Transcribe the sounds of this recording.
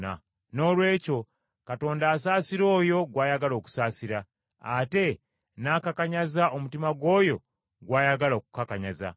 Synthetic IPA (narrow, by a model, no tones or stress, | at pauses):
a̰ | no̞ːlwe̞ːco̞ | kato̞ːndaːsaːsiɾo̞ːjo̞ɡwaːjaɡalo̞ːku̥saːsiɾa̰ː | te̞ | naːkakaɲazaʔo̞mutimaɡwo̞ːjo̞ | ɡwaːjaɡalo̞ːku̥kakaɲaza̰